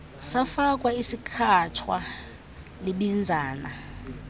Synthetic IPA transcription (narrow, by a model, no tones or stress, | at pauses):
safak̬ʼwaisikʰatʰwa | leɓind͡zʱaːna̰